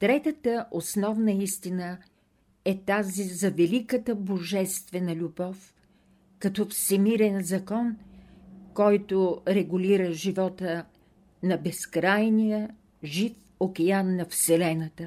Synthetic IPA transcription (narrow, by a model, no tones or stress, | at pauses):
t̪ɾɛt̪ət̪əʔosnɔvnəist̪inə | ɛt̪azizɐvɛlikət̪əboʒɛst̪vɛnəlʲubɔf | kɐt̪ɔfsɛmiɾɛnzɐkɔn | kɔjt̪oɾɛɡuliɾəʒivɔt̪ə | nɐbɛskɾajnijə | ʒif | okʲɛanːɐfsɛlɛnət̪ə